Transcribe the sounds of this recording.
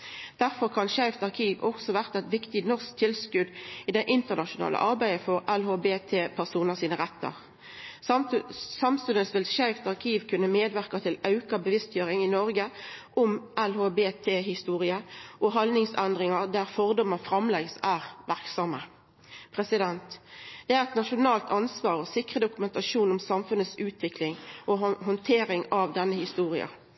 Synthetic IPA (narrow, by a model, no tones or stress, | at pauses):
d̪̥æʁfɔʁkʰɑnʃæɪft̪ɑʁkʰiːʋɔksɔʋæʁt̪ɛt̪ʋɪkt̪ɪnɔʁsk̚t̪ʰɪlskʉd̪iːd̪ɛʔɪnt̪əʁnɑʃʊnɑ̰ːlə̰ʔɑʁbæɪəfɔʁɛlhoːbeːt̪ʰeːpʰæʁsuːnəsiːnəʁɛt̪ːə̰ʁ | sɑmst̪ʉnəsʋɪlʃæɪft̪ɑʁkʰiːʋkʰʉnːəmeːd̪ʋæʁkɑt̪ʰɪlɑʉkɑbəʋɪst̪jøːʁɪŋɪnɔʁɡəʔʊmʔælhoːbeːt̪ʰeːɦɪst̪uːʁɪəʔɔɦɑlnɪŋsɛnd̪ʁɪŋɑʁd̪æʁfɔʁd̪ɔmɑfʁɑmlɛɡsæːʁʋæʁksɑmə | pʰʁɛsɪd̪ɛnt̪d̪̥ɛæʁɛt̪nɑʃʊnɑːlt̪ɑnsʋɑːʁɔsɪkʁəd̪ʊkʉmɛnt̪ɑʂuːnʊmsɑmfʉnət̪sʉːt̪ʰʋɪklɪŋʔoɦʊnt̪ʰeːɾɪŋɑʋd̪ɛnːəhɪst̪uːʁɪ̰ɑ̰